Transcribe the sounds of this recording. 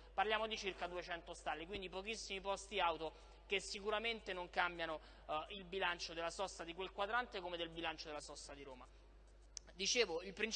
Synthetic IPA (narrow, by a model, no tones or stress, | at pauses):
parljaːmod̪it͡ʃirkad̪uet͡ʃɛnt̪ost̪alːek̬wind̪ipokisːimipɔst̪iawt̪o | kesːikuɾament̪enoŋkambjano | ilbilant͡ʃod̪elːasɔsːad̪ikwelkwad̪ɾant̪ekomed̪elbilant͡ʃod̪elasɔsːad̪iɾoːma | d̪it͡ʃeːvoilpɾin